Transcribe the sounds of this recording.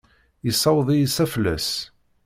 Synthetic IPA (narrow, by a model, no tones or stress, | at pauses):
əsˤːɑwðˤijsæflːæ̰s